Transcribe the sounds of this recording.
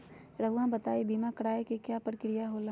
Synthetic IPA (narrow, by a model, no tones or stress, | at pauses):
ɾɐɦuwãbɐt̪aːibiːmakɐɽaːekekjaːpəɾkɾijaɦoːla